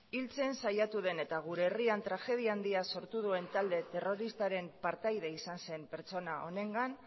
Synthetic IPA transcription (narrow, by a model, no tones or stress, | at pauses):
ilt͡se̞nsajat̪uðe̞ne̞t̪aɣ̞uɾe̞ːriant̪ɾaxe̞ð̞iaːnd̪iaso̞ɾt̪uð̞ue̞nt̪ald̪e̞t̪e̞ro̞ɾist̪aɾe̞mpaɾt̪ajðe̞isanse̞mpe̞ɾt͡so̞naʔo̞ne̞ŋɡan